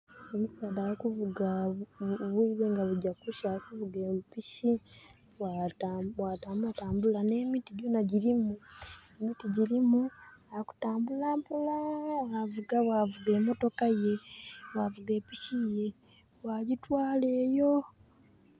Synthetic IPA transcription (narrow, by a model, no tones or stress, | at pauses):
omusaːlajakuvuɡa | βuiβeːŋɡaβuɟakuʃakuvuɡemupiʃi | wawataːmbuataːmbulane̞ːmitiɟuːnaɟiɾimuemitiɟiɾimuaku̥taːmbulaːmpulaavuɡaβwavuɡe̞ːmoto̞kaje̞wavuɡeːpiʃije | waɟitwaːle̞ːjo̞